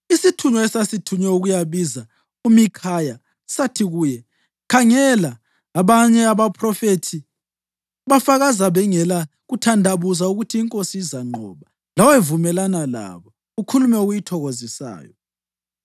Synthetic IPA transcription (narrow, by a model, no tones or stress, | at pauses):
isitʰuɲɔɛsasitʰuɲɛuɣujaβiza | umikʰaja | satʰiɣuːjɛ | kʰaŋɛlaː | βaɲɛaβapʰrɔfetʰi | βafaɣazaβɛŋɛla | ɣutʰandʱaβuzauɣutʰiːŋkʼosiːzaŋ͡ǃʱɔβa | lawevumɛlanala̰βɔ | ukʰulumɛuɣujitʰɔɣozisa̰ːjɔ̰